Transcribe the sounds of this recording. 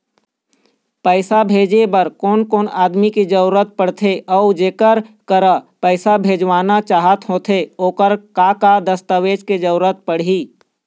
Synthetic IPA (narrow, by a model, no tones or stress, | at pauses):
pəɪsabʱeːd͡ʒebəɾkoːnkoːnaːd̪mikid͡ʒəɾuɾət̪̚pəɽ̤t̪ʰeʔɔʊd͡ʒeːkəɾkəɾəpəɪsabʱeːd͡ʒʋaːnat͡ʃaːɦət̪ɦoːt̪ʰeoːkəɾkakad̪əst̪əweːd͡ʒked͡ʒəɾuɾət̪̚pəɽ̤iː